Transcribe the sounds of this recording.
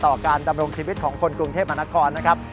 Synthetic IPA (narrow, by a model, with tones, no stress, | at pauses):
t̪ɔː˨˩kaː˧nda˧mɾo˧ŋt͡ɕʰiː˧wi˦˥t̪̚kʰɔː˩˦ŋkʰo˧nkɾu˧ŋt̪ʰeː˥˩p̚ma˧na˦˥kʰɔː˧nːa˦˥kʰa˦˥p̚